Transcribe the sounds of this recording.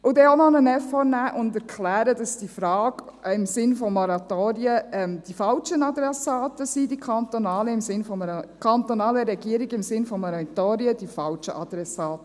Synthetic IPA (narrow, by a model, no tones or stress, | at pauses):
ʔʊdɛonɔnənɛfɔɾnæːʔʊndɛɾkχlæːɾədɑsd̥ifɾɑːɡ̥ɪmsɪnfɔmɔɾɑtoːɾiəɛmd̥ifɑlt͡ʃənɑd̪ɾɛsɑːtəsidikʰɑnt̪onɑːləɪmsɪnfɔməkʰɑnt̪onɑːləɾɛɡiəɾiɡɪmsɪnfɔmɔɾɑt̪oːɾiəd̥ifɑlʃəʔɑd̪̥ɾɛsɑːtə